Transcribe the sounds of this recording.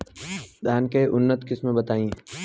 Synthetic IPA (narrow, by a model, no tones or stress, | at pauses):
d̪ʱaːnkəeʔʊnːət̪kɪsmẽbɐt̪aːĩː